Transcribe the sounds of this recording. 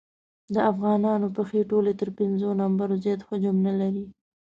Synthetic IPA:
d̪əafɣɑnɑnopəxeʈolet̪əɾpɪnzonambaɾozjɑt̪xad͡ʒʊmnalaɾi

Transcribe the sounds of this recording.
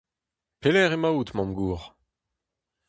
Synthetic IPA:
pelɛʁemaut̪mɑ̃mɡuːʁ

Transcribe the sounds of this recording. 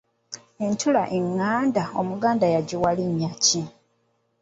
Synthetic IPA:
e̞ntʰulaʔeŋːaːndaomuɡaːndajaɟiwaliɲːaci

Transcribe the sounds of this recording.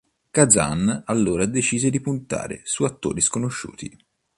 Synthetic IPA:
kadza̰nalːoːɾad̪et͡ʃiːzed̪ipunt̪a̰ːɾḛsuat̪ːo̰ːɾiskonoʃːṵːt̪i

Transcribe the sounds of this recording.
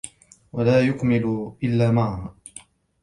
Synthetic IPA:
walaːjʊkmɪlʔɪlːaːmaʕah

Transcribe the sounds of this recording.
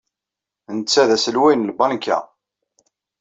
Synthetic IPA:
nət͡sːæðæsəlwæjnəlbɑnkːæ̰

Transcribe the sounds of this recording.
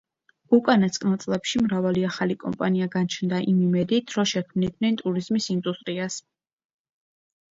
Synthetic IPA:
ukʼanasʼkʼnat̪sʼlɛpʃimɾavaliaχalikʼɔ̰mpʼaniaɡant͡ʃʰnd̪aʔimimɛd̪it̪ʰɾɔʃɛkʰmnid̪ʰnɛnt̪ʼuɾizmisind̪ust̪ʼɾias

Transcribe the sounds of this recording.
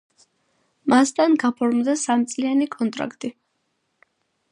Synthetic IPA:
mast̪ʰʼanɡapʰɔɾmd̪asamt̪sʼlianikʼɔnt̪ʼɾa̰kʰt̪ʼi

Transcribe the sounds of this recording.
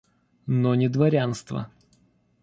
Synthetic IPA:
nonʲɪd̪vɐɾʲanst̪və̰

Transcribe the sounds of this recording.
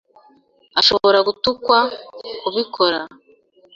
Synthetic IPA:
aʃo̞βo̞ɾaɡutukwakuβikʰo̞ɾa

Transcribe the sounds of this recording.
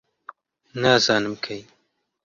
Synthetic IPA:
naːzɑːnɨmkʰɐj

